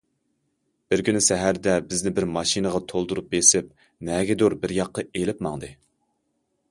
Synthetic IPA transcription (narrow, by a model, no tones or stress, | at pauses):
b̥ɪɾkʲynɪsɛɦæɾd̪ɛbɪznɪbɪɾmɑʃinəʁɑt̪ʰolˠd̪uɾup̚besɪp̚ | nɛɡʲɛd̪uɾbɪɾjɑqːɑelɪpmɑŋd̪ɨ